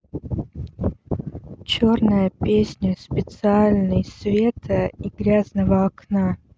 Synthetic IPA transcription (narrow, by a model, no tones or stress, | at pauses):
t͡ɕornəjəpʲesʲnʲəspʲɪt̪sɨalʲnəjsvʲe̞t̪ʰəiɡɾʲaznəvəɐkna